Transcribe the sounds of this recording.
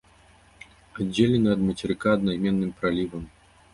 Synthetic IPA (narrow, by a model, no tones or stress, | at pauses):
ad͡zʲːelʲɛnɨɐd̪mɐt͡sʲɛɾɨkaːd̪najmʲɛnːɨmpɾalʲivɐm